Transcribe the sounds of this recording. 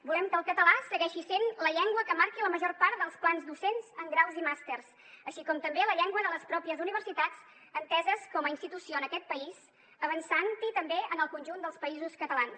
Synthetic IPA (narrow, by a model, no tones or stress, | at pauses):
bulɛmkəlˠkət̪əlasəɣɛʃisenləʎɛŋɡwəkəmaɾkiləməʒɔrpaɾt̪̚d̪əlˠsplanzd̪usenzəŋɡɾawzimast̪ers | əʃikɔmt̪əmbeləʎɛŋɡwəðələspɾɔpiəzuniβ̞əɾsit̪ad͡z | ənt̪ɛzəskɔməinst̪it̪usioənəkɛt̪̚pəiz | əβənsant̪it̪əmbeənəlˠkunʲʒund̪əlˠspəizuskət̪əlans